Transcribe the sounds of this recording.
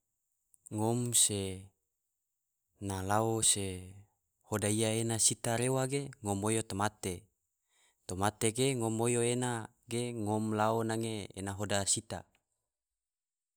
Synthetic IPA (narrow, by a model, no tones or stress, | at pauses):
ŋomse | nalaose | hodaijaenasit̪aɾewaɡeŋomojot̪omat̪e | t̪omat̪eɡeŋomojoena | ɡeŋomlaonaŋeḛnaɦodasit̪a̰